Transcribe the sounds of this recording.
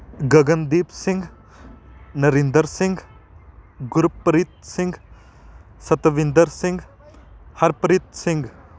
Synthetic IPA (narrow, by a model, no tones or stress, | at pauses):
ɡɐɡɐnd̪ipsĩŋɡ | nɐɾind̪əɾsĩŋɡ | ɡuɾpːɾit̪̚siŋɡ | sɐt̪ɐʋind̪əɾsiŋɡ | hɐɾpɾit̪̚siŋɡ